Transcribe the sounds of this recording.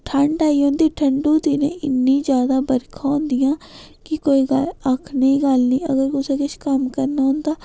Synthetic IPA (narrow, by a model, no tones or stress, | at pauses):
ʈʰəɳɖaːiːɦõːnd̪iːʈʰəɳɖuːt̪iːnḛ̃ːʔɪnːĩːd͡ʒjaːd̪aːbəɾkʰãːõːnd̪ɪjãː | kɪkoːiːɡələkʰnəĩːɡəlniːəɡəɾkʊsẽːkɪʃkəmkəɾnaːɦʊ̃nd̪aː